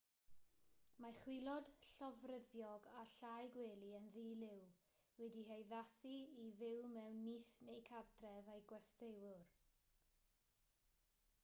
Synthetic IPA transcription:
maχwɪlˠɔd̥ɬɔvrəðjɔɡaɬajɡweːlˠiənðiːlɪw | wɛdiɦejðasiivɪwmɛwnːiθnejkʰartʰrɛvajɡwɛstewʊr

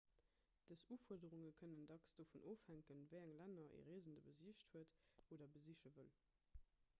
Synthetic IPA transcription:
d̥əsuːfuɐdəʁuŋəkʰənəndɑksd̥ofunʔoːfhæŋkənvəɪæŋlænɐʔḛʁeːəzəndəbəziəɕthuətoːdɐbəziʃəvəl

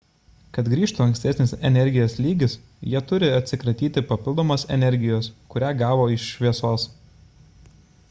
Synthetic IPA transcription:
kɐt̪ɡɾʲiːʃt̪uːɐŋksʲt̪ʲɛsʲnʲɪsɛnʲɛɾʲɡʲɪjoːslʲiːɡʲɪs | jiɛt̪ʊɾʲɪɐt̪ʲsʲɪkɾɐt̪ʲiːt̪ʲɪpɐpʲɪlˠd̪oːmoːsɛ̰nʲɛɾʲɡʲɪjoːskʊɾʲæːɡɑːʋoːɪʃʃʲʋʲiɛsoːs

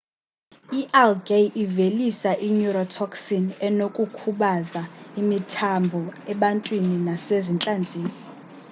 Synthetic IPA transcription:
iʔɛlɡejʔivelisaʔiɲuɾɔtʰɔksinɛnokʼukʰuɓazaimitʰambʱɔɛɓantʼwininasezint͡ɬʼand͡zʱiːni

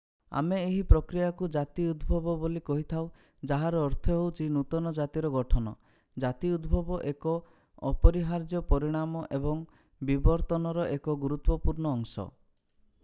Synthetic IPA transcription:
a̰meːɦipɾɔkɾijakud͡ʒat̪iud̪bʱɔbɔbolikɔɦit̪ʰaw | d͡ʒaɦaɾɔːɾt̪ʰɔɦewt͡ʃʰinut̪ɔnɔd͡ʒat̪iɾɔɡɔʈʰɔnɔ | d͡ʒat̪iud̪bʱɔbɔʔekɔ | ɔpɔɾiɦaɾd͡ʒjɔpɔɾiɽ̃amɔʔebɔŋ | bibɔɾt̪ɔnɔɾɔʔekɔɡuɾut̪wɔpuɾɳɔːŋsɔ̰

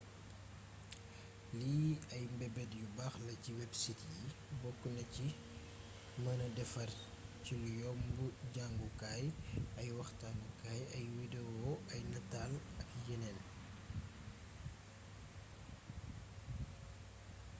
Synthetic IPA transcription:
liɐjmbɛbɛdjubaxlɐciwɛbsitji | bɔkːunɐci | mɐnɐdɛfɐr | cilujɔːmbuɟaŋɡukaːjɐjwɐxtanukaːjɐjwidewɔɐjnɐtaːlɐkjɛnɛn

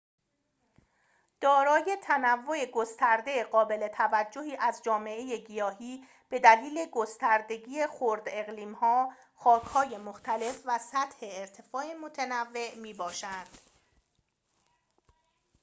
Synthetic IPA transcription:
d̪̥ɒːɾɒːje̞t̪ʰænævːo̞eɡost̪ʰæɾd̪e̞ɢɒːbe̞le̞t̪ʰævæd͡ʒːoɦiːʔæzd͡ʒɒːme̞ʔeje̞ɡijɒːɦiː | b̥e̞d̪æliːle̞ɡost̪æɾd̪e̞ɡiːexoɾd̪e̞ɣliːmhɒː | xɒːcʰhɒːje̞moxt̪ʰæle̞fvæsæt̪ʰhe̞ːɾt̪ʰe̞fɒːemot̪ʰenævːe̞ʔmiːbɒːʃænd̪̥

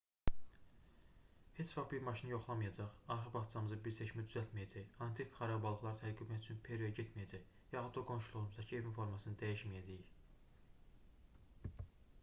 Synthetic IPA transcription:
he̞t͡ʃfɑχbiɾmɑʃinijo̞χlˠɑmɯjɑd͡ʒɑʁɑɾxɑbɑχt͡ʃɑmɯzɯbiɾseʃmæd̪yzælt̪mijæd͡ʒæjɑnt̪ʰikχɑɾɑbɑlˠɯχlˠɑɾɯt̪ʰæɾɡybmæt̪yt͡ʃʰynpʰeɾiojæɟet̪mijæd͡ʒæj | jɑxud̪oɡo̞nʃulˠuʁumuzd̪ɑcʰie̞vinfo̞ɾmɑsɯnɯd̪æjiʃmijæd͡ʒæjij

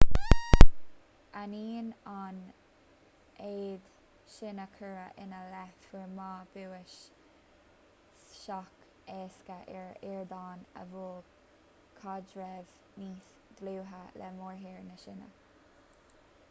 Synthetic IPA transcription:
aniːnan | eːd̪ | ʃɪnəkʰəɹəʔɪnəlɛfwəɹmɑːb̥uwɪʃ | ʃɑk | ɛːskəʔɪɹɪɹd̪ɑːnə̰vuː | kʰɑd͡ʒɹɛv | niːθ | ɡ̥luːɦəlɛ̰moːɹɦiːɹnəʃɪnə̰

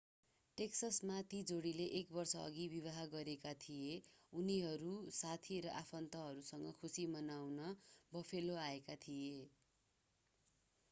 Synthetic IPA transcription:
ʈeksʌsmat̪id͡zoɽileʔek̚bʌrsʌʌ̰ɡibiβaɦaɡʌɾekat̪ʰijeuniɦʌɾusat̪ʰiɾʌʔapʰʌnt̪ʌɦʌɾusʌŋɡʌkʰusimʌnawnʌbʌpʰeloaekat̪ʰije

